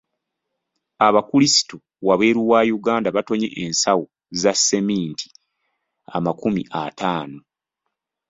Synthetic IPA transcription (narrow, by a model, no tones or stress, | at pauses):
aβakulisi̥tu | waβe̞ːɾuwajuɡaːndaβato̞ɲe̞̰ʔensawu | zasːe̞miːntʰi̥ | a̰makumḭʔatʰaːno